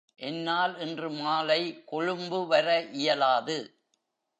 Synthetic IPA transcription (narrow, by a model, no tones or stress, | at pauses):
ʔɛnːaːlɛndrɯmaːlɐɪkɔɻɯmbɯʋɐrɐʔɪjɐlaːðɯ